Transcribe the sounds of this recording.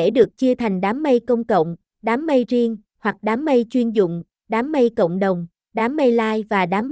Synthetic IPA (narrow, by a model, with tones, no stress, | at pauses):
e˧˩ɗɨ˨˩ək̚t͡ɕɨ˧ət̪ʰa˨˩jŋ̟ɗaː˨˦mːə˧jkə˧wŋ͡mkə̰˧˨wŋ͡m | ɗaː˨˦mːə˧jzi˧əŋ | hwa˨˩k̚ɗaː˨˦mːə˧jt͡ɕwi˧ənzʊ̰˧˨ŋ͡m | ɗaː˨˦mːə˧jkə̰˧˨wŋ͡mɗə˨˩wŋ͡m | ɗaː˨˦mːə˧jlaː˧jvaː˨˩ɗaː˨˦m